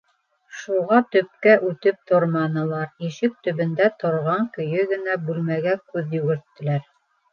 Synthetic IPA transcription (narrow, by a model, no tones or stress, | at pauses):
ʃuʁɑt̪ɵ̆p̚kæʔʉt̪ɘp̚t̪ʰoɾmɑnɤ̆lˠɑɾiʃɘk̚t̪ɵ̆βɘ̆nd̪æt̪ʰŏɾʁɑŋkɵ̆jɵɡɘ̆næbʉlmæɡækʉðjɵɡɘ̆ɾt̪ːɘ̆læɾ